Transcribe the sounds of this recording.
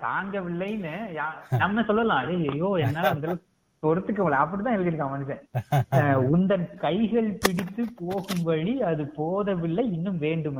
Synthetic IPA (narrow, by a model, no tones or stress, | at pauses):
t̪aːŋɡɐʋɪɭːɐjnɐjaːnɐmnɐsɔlːɐlãːɐðejɐjoːɛnːaːlɐɐnd̪ɐlɐ | pɔɾɯt̪ːɯk̬ːɐmɐlːɐɐpːɐɽit̪ãːɪɛlɡɪɾɯkːãːɐʋɐnd̪ɯkɛ̃ː | ʊnd̪ɐnkɐɪɣɐɭpɪɽɪt̪ːɯpoːɣɯmbɐɻiɐðɯpoːðɐʋɪɭːɐɪnːɯmʋeːɳɖɯm